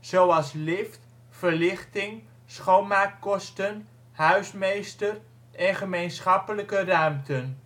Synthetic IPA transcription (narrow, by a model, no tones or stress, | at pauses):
z̥owɑlˠslɪft | fəɹlɪχtɪŋ | sχownmaːk̚kɔstən | ɦœɥsmejstər | ɛnχəmejnsχɑpələkərœɥmtən